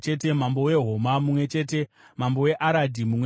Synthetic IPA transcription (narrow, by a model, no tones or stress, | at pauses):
t͡ʃe̞te̞mambo̞we̞ɦo̞mamumwe̞t͡ʃe̞ːte̞ | mambo̞we̞ʔaɾadʱimumwe